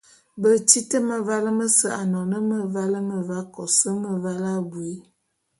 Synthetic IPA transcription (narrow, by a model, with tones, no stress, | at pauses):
bə˨t͡ʃi˦tə˦mə˨va˦lə˦mə˦sə˦˨a˨nɔ˨nə˦mə˨va˦lə˦mə˨va˦kɔ˨sə˦mə˨va˦la˦bwe˦